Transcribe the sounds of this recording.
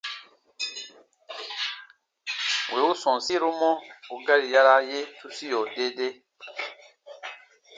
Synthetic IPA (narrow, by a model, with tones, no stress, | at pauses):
wʔe˨u˦sɔ̃˨n˨si˦ɾu˦mɔ˦u˨ɡa˦ɾi˨ja˦ɾa˦je˦tu˦si˦jo˨de˦de˦